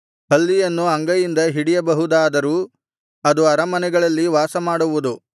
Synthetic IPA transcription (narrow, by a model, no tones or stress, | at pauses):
pɐlːijɐnːuɐŋɡɐjind̪ɐɦiɽijɐbɐɦud̪aːd̪ɐɾuː | ɐd̪uɐɾɐmɐnɛɡɐɭɐlːiʋaːsɐmaːɽuʋud̪u